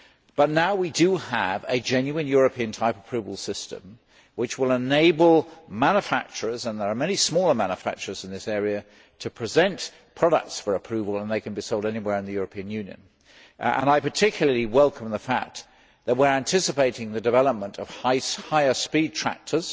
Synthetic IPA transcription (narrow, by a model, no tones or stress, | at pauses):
b̥ʌtⁿnaʊwidɨəvɨd͡ʒɛ̃njʉɨ̃njʊɹɨpʰiɨ̃ntʰaɪpə̥pʰɹ̥ʉvəl̩ˠsɪstə̰̃m | wɨt͡ʃwəlˠəneɪbl̩ˠmæ̃njəfæk̚t͡ʃə˞əzə̃nðə˞əmɛnismɔlˠə˞mæ̃nəfæ̰k̚t͡ʃə˞əz̃n̩ðɪsɛɹiɨ | ɾʰɨpʰɹ̥ɨzɛ̃nt | pʰɹ̥ɑɾə̰k̚tsfə˞əpʰɹ̥ʉvəl̩ˠə̃nðeɪkɨ̃n̩bisoʊlˠdɛniwɛɹɨ̃nðɨjʊɹəpʰĩɨ̃njʉ̃njɨ̰̃n | ə̰̃naɪpə˞tʰɪkʰjl̩ˠəliwɛlˠkʰə̃m̩ðəfæ̰k̚ | ðɨt̚wɪɹæ̃ntʰɪsɨpeɪɾɪ̃ŋðɨdɨvɛlˠəp̚mə̃ntʰʌv̥haɪhaɪə˞spid̚tʰɹ̥æ̰k̚tʰə˞z̥